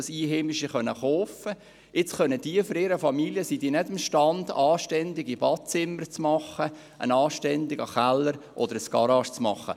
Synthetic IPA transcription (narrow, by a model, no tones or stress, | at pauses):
siːɦemɪʃiχœnəχoːfə | ɪt͡sχœnəd̥iəføɾɪɾəfɑmiljəsidiːnɛdɪmʃtɑndɑːʃtɛndɪɡibɑt͡sɪmːəɾt͡smɑχə | ʔə̰nɑːʃtɛnd̪ɪɡɑχælːəɾʔɔd̥̪əɾəsɡ̥ɑɾɑʃt͡smɑ̰χːə̰